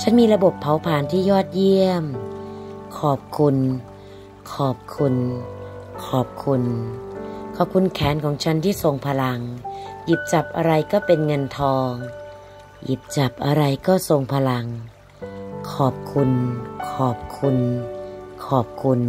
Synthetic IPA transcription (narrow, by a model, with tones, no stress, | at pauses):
t͡ɕʰa˦˥˨nmiː˧ɾa˧bo˨˩pʰːa˨˦wpʰaː˨˦nt̪ʰiː˥˩jɔː˥˩t̪̚ji˥˩əm | kʰɔː˨˩p̚kʰu˧n | kʰɔː˨˩p̚kʰu˧n | kʰɔː˨˩p̚kʰu˧n | kʰɔː˨˩p̚kʰu˧nkʰɛː˨˦nkʰɔː˩˦ŋt͡ɕʰa˦˥nt̪ʰiː˥˩so˧ŋpʰa˧la˧ŋji˨˩p̚t͡ɕa˨˩p̚ʔa˧ɾa˧jkɔː˥˩pe˧nŋɤ˧nt̪ʰɔː˧ŋ | ji˨˩p̚t͡ɕa˨˩p̚ʔa˧ɾa˧jkɔː˥˩so˧ŋpʰa˧la˧ŋ | kʰɔː˨˩p̚kʰu˧nkʰɔː˨˩p̚kʰu˧n | kʰɔː˨˩p̚kʰu˧n